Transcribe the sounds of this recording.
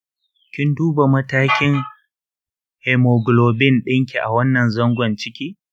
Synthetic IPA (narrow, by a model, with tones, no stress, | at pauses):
kʲɪ˦nduː˦ba˨mɐ˦taː˦kʲɪ˦ŋ | hɛ˨mo˨ɡlo˨bɪ˦nɗɪ˦ŋkʲi˨ʔa̰˨wɐ˦nːɐ˨nzɔ˦ŋɡʷɔ˨nt͡ʃɪ˦kʲiː˦